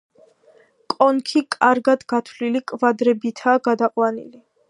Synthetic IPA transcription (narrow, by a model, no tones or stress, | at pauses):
kʼɔnkʰikʼaɾɡad̪ɡat̪ʰlilikʼvad̪ɾɛbit̪ʰaːɡad̪aqʼwanḭli